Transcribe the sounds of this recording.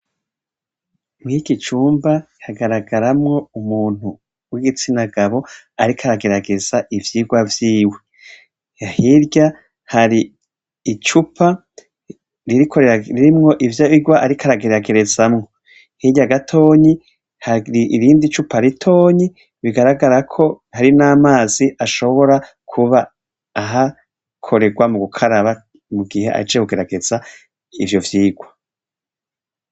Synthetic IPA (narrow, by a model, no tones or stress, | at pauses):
mŋiɡit͡ʃuːmba | haɡaɾaɡaɾamŋo̞umuːn̥hu | wiɡit͡sinaɡaβo̞ | aɾikʰaɾaɡe̞ɾaɡe̞z̥aʔivjiːɡwavjiːwe̞ | jahiɾɟa | haɾiː | t͡ʃupʰa | ɾiɾikʰoɾɾiɾimŋo̞ʔivjaβiɡwaʔaɾikʰaɾaɡe̞ɾaɡe̞ɾe̞zamŋo̞ | hiɟaɡatʰo̞ːɲi | haɾiʔiɾiːndit͡ʃupʰaɾitʰo̞ːɲi | βiɡaɾaɡaɾakʰo̞ | haɾinaːmaːziʔaʃo̞βo̞ɾa | kʰuβaː | ɦa | kʰo̞ɾe̞ɡwamuɡukʰaɾaβa | muɡihe̞̰ʔa̰t͡ʃekuɡe̞ɾaɡe̞z̥a | ivjo̞vjiːɡwa